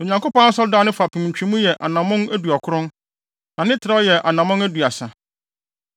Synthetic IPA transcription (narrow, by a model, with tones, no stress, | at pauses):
o˨ɲã˨ŋko˦pã˦sɔ˦da˦nʊ̃˦fa˨pʰĩ˨mɲ̩˨t͡ɕᶣĩ˨˦mũ˦jɛ˨ʔa̰˨nã˨mʊ̃˦næ˦du˨ɔ˨kʰʊ˦ɾʊ̃˦n | nã˨nɪ̃˦tʰɪ˨ɾa˦jɛ˨ʔa˨nã˨mʊ̃˦næ˦du˨a˨sa˨